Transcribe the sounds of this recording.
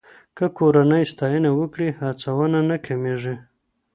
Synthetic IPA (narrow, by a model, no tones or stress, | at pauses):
kəkoɾanəjst̪ɑjənawəkɽihat͡sawananakʰameʐe